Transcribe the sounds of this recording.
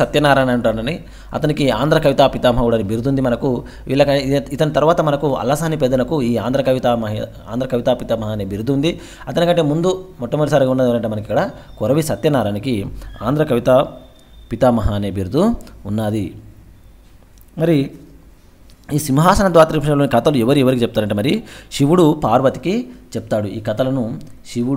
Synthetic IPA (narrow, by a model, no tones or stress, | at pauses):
ɐt̪jɐnaːɾaːnɐɳʈaːnɐni | ɐ̰t̪ɐnikiaːnd̪ɾɐkɐʋit̪aːpit̪aːmɐɦɐɡuːɽɐnibiɾd̪und̪imɐnɐku | ʋḭːɭːɐkɐit̪ɐnit̪ɐɾuʋaːt̪ɐmɐnɐkuɐ̰lːɐsaːniped̪ɐnɐkuiːaːnd̪ɾɐkɐʋit̪amɐɦi | aːnd̪ɾɐkɐʋit̪aːpit̪aːmɐɦaːneːbiɾd̪und̪i | ɐt̪ɐnikɐɳʈeːmund̪umɔʈːɐmɐʈisaːɾɡaunːɐd̪iʋlɐɳʈemɐnɐkikːɐɽɐ | kɔɾɐʋisɐt̪jɐnaːɾaːnikia̰ːnd̪ɾɐkɐʋit̪ɐ | pit̪amɐɦaːneːbʱiːɾd̪uunːaːd̪i | mɐɾi | iːsimɦaːsɐnɐd̪ʋaːt̪ɾipʰɐʂɐmloːnikɐt̪ɐluɛʋɐɾiɛʋɐɾikit͡ʃɛp̚t̪aːɾɐɳʈːemɐɾiʃiʋuɽupaːɾʋɐt̪i̥kit͡ʃep̚t̪aːɽuiːkɐt̪ɐlɐnu | ʃiʋu